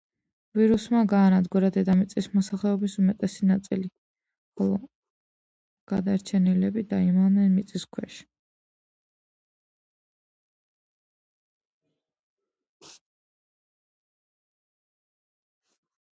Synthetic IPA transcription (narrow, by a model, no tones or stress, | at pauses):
viɾusmaɡaːnad̪ɡuɾad̪ɛd̪amit̪sʼismɔsaχlɛɔbisumɛt̪ʼɛsinat̪sʼḭli | χɔlˠɔ | ɡ̥ad̪aɛɾt͡ʃʰɛnilɛbid̪aimaʁnɛnmit̪sʼiskʰwɛʃ